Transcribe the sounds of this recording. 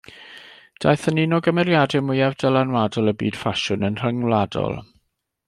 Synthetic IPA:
d̥a̰jθəninɔɡəmɛɾjadɛmʊjavdəlanwadɔlˠəbḭːd̥faʃʊnənr̥əŋlˠadɔ̰lˠ

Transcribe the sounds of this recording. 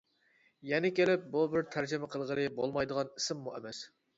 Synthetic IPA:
jɛnɪkʲelɪp̚bubɪɾt̪ʰæɾd͡ʒɪmɛqʰəlˠʁəlˠɨbolˠmɑjd̪əʁɑnisɪmːuḛmɛs

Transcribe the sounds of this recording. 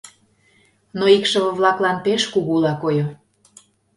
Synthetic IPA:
noikʃə̆βə̆βlɑklɑnpeʃkuɣuulɑkojo

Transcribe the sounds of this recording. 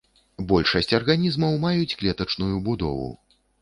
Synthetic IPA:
bɔlʲʂɐsʲt͡sʲɐrɣanʲizmɐwmajut͡sʲklʲɛt̪ɐt͡ʂnujubud̪ɔ̰vṵ

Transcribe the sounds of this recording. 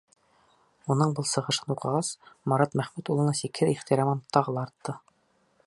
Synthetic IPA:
unɤɴbɤlˠsɤ̆ʁɤ̆ʃɤnuqɤ̆ʁɑsmɑɾɑt̪mæχmæt̪ulˠɤ̆nɑsikhɘðiχt̪iɾɑmɤnt̪ʰɑʁɤ̆lˠɑːɾt̪ːɤ

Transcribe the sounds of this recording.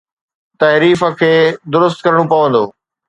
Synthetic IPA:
t̪ɐɦɾiːfəkʰeːd̪ʊɾʊst̪̚kɐɾəɽ̃opɐʋə̃nd̪oː

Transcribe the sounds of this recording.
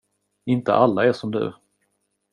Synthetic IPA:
ɪnt̪ə̰ʔalːaɛʂɔmd̪ɵ̰

